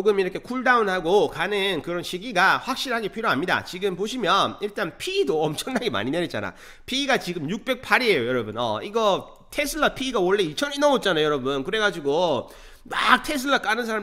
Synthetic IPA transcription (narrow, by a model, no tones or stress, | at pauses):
oɡɯmiɾʌkʰe̞kʰuɭdaunhaɡokanɯnkɯɾʌnɕʰiɡiɡaɸwak̚ɕ͈iɾɦaɡe̞pʰiɾjoɦamɲida̰t͡ɕiɡɯmpoɕ̬ʰimjʌniɭt͈anpʰiːdoʌmt͡ɕʰʌŋnaɡema̰ɲineit̚t͡ɕ͈ana̰ | pʰiːɡat͡ɕiɡɯmjuk̚p͈e̞k̚pʰaɾiejojʌɾʌbunʌ̰iɡʌ | tʰesʰɯɭːapʰiːɡawʌɭːe̞it͡ɕʰʌninaot̚t͡ɕ͈anajojʌɾʌbunkɯɾe̞ɡad͡ʑiɡo | mak̚tʰe̞s̬ʰɯɭːak͈anɯnsʰaɾa